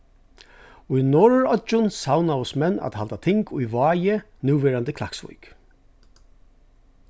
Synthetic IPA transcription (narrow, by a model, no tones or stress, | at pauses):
ʊjnɔɹɹɔt͡ʃʊnsawnaʊsmɛnːa̰d̪ha̰lt̪at̪ʰɪŋkʰʊjvɑːjə | nʉːʋeːɹand̪əkʰlaksʋʊ̰jk